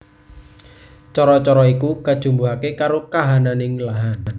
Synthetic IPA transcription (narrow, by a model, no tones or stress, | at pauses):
t͡ʃɔɾɔt͡ʃɔɾɔikukad̥ʒ̥ṳmbuɦakekaɾokaɦananɪŋlaɦana